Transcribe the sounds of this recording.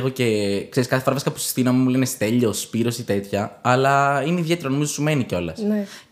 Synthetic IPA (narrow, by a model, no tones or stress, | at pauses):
ɣo̞ce̞ksɾiskɐθefɾɐvɾsi̥kɐpusi̥sθinɐmumule̞nest̪e̞ʎo̞spiɾo̞sit̪e̞t̪çɐɐlɐineiðʝe̞t̪e̞ɾɐno̞mizosume̞niceo̞lɐs